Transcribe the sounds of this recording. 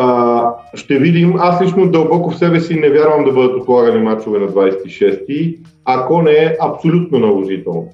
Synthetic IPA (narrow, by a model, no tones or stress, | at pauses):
ʃt̪ɛvid̪imaslit͡ʃnod̪ɐlˠbɔkʊfsɛbɛsinɛvʲjaɾvəmd̪ɐbɤd̪ət̪ot̪lˠaɡɐnimat͡ʃovɛnɐd̪vajsɛ̥t̪iʃɛst̪i | akɔnɛɛʔɐpsolʲut̪nonɐloʒit̪ɛlˠno